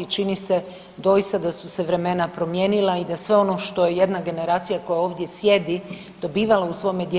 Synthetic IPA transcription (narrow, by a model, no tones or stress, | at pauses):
t͡ʃinise | d̪o̞jist̪ad̪asuse̞ʋɾe̞me̞napɾo̞mje̞nilˠaid̪asʋe̞o̞no̞ʃt̪o̞je̞je̞d̪naɡe̞ne̞ɾaːt̪sijako̞jao̞ːʋd̪je̞sje̞d̪i | d̪̥o̞biːʋalausʋo̞jme̞d̪je